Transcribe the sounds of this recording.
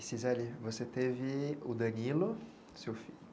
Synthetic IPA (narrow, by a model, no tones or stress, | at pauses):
sizalivoset̪evɪʊd̪ɐ̃ɲilʊ | sewfilʊ